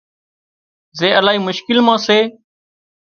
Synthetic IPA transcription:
zeːʔəlaːɦiːmʊʃkɪlmãːseː

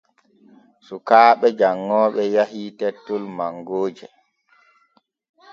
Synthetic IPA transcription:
sukaːɓɛd͡ʒaŋːɔːɓɛjaɦitɛtːɔlmaŋɡoːd͡ʒɛ

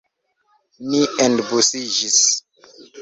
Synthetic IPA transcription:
miendbusid͡ʒis

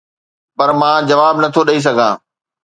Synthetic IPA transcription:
pɐɾmãːd͡ʑɐʋaːbnɐt̪ʰoɗɐis̬ɐɡʱã̰ː

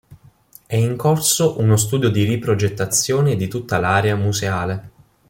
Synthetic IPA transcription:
ɛiŋkorsoʔunos̬t̪uːd̪jod̪iripɾod͡ʒet̪ːat̪sːjoːned̪it̪ut̪ːalaːɾeamuzeaːle

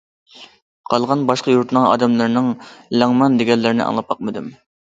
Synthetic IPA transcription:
qʰɑlˠʁɑnbɑʃqɑjuɾt̪ʰnɨŋɑ̰ːd̪ɛmlˠɨɾnɨŋlæŋmɑnd̪ɪɡʲɛlːɪɾɪnɪ̰ʔɑ̰ŋlˠɑp̚ɑq̚mɨd̪ɨm

